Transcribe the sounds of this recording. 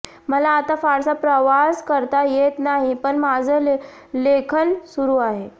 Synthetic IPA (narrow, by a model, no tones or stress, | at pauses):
məlaːt̪afaɾsapɾəʋaskəɾt̪ajet̪naɦipəɳmad͡zʱə | lekʰənsuɾuːaɦe